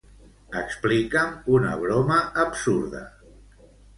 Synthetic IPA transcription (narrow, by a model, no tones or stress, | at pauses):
əksplikəmunə̰β̞ɾoməːpsuɾðə̰